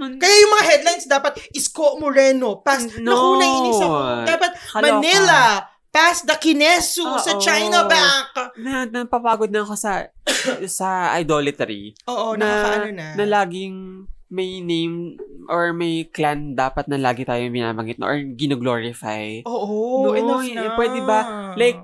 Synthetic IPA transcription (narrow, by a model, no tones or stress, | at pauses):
kɐjajʊŋmɐŋaɦɛd̪lajnsd̪aːpɐt̪̚ʔɪskoʔmoɾɛnopasnɐkuːnɐŋiɪsɐod̪aːpɐt̪̚mɐnɛlɐ | pasd̪ɐkɪnɛsusɐt͡ʃajnɐbak̚nɐnɐɡ̚pɐpaːɡod̪̚nɐʔɐko̞sɐ | sɐʔa̰jd̪oːlɐt̪ɛɾḭoːʔonɐɐɐnɐnɐlaːɡɪŋmɐjnejmʔoɹmɐjkland̪aːpɐt̪̚nɐlaːɡɪt̪aːjobɪna̰ːbɐŋɡɪt̪nɐ̰ʔɔɹɡɪnɐɡloːɹɪfa̰joːʔ̪oɐnopwɛd̪ɛbɐlajk̚